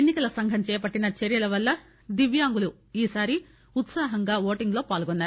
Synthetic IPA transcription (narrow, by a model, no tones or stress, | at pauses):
enːikɐlɐsɐŋɡʱɐmt͡ʃɛːɐpɐʈːinɐt͡ʃeɾjɐlɐʋɐlːɐ | d̪iʋjaːŋɡulu | iːsaːɾi | ut̪saːɦɐŋɡaːʋoːʈiŋɡlo̞ːpaːlɡonːaːɾu